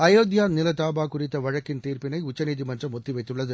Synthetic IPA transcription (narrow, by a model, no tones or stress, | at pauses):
ɐjoːd̪jaːnɪlɐt̪aːbaːkʊrɪt̪ːɐʋɐɻɐkːɪnt̪iːrpɪnɐɪʊt͡ʃːɐniːðimɐndrɐmɔt̪ːɪʋɐɪt̪ːɯɭːɐðɯ